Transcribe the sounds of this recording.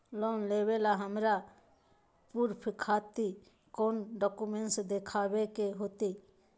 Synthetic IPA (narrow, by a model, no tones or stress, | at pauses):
loːnlebelaɦəmɾa | puɾpʰɪkʰaːt̪i | koːnɖɔkumenʈsd̪ekʰaːbekeɦot̪i